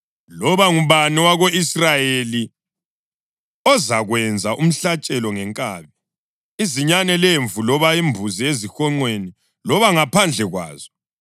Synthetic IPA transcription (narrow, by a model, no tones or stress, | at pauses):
lɔβaŋuβaniwaɣoisrajeli | ɔzaɣwɛnd͡zʱaʔum̩ɬat͡ʃʼɛlɔŋɛŋkʼaːβi | iziɲanɛleɱvulɔβaimbʱuziezixɔŋ͡ǃweni | lɔβaŋapʰand͡ɮʱɛɣwa̰ːz̥ɔ